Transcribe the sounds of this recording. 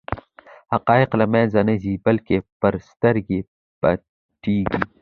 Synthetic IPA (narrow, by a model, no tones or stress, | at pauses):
hɐqɑːɪqlɐmẽːnzɐnɐziːbɐlkepɐɾst̪ɐɾɡi | pɐ̰ | ʈiːɡi